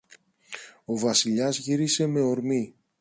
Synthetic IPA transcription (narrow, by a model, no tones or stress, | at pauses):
o̞vɐsiʎɐzʝiɾise̞me̞o̞ɾmi